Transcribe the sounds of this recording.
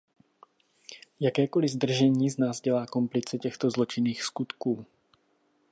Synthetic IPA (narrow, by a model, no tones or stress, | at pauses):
jakɛːkɔlizd̪r̩ʒɛɲiːznaːzɟɛlaːkɔmplit͡sɛcɛxt̪ɔzlɔt͡ʃiniːxskut̪kuː